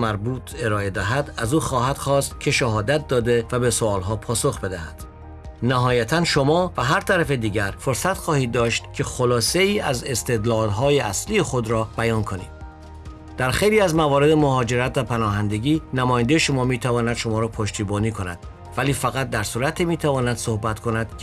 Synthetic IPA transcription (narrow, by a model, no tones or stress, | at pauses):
mæɾbuːt̪ʰe̞ɾɒːe̞d̪æɦæd̪æzuːxɒːhæd̪̥xɒːst̪kʲʰe̞ʃæɦɒːd̪æt̪̚ʰd̪ɒːd̪evæbe̞soɒːlɦɒːpʰɒːsoxbe̞d̪æhæd̪̥ | næɦɒːjæt̪ʰænʃomɒːvæɦæɾt̪ʰæɾæfed̪iːɟæɾfoɾsæt̪χɒːhiːd̪̚ːɒːʃt̪cʰe̞xolɒːse̞iːæze̞st̪e̞d̪lɒːd̪ɦɒːjeʔæslijexod̪ɾɒːb̥æjɒːnkʰo̞nḭd̪̥̚ | d̪̥æɾxejliːæzmævɒːɾe̞d̪emoɦɒːd͡ʒe̞ɾæt̪væpʰænɒːɦænd̪eɟiːnæmɒːjænd̪ejeʃo̞mɒːmiːt̪ʰævɒːnæd̪ʃo̞mɒːɾɒːpʰoʃt̪iːbɒːniːkʰo̞næ̰d̪̥ | væliːfæɣæt̪̚d̪æɾsuːɾæt̪ʰimiːt̪ʰævɒːnæd̪̥so̞hbæt̪kʰo̞næd̪̥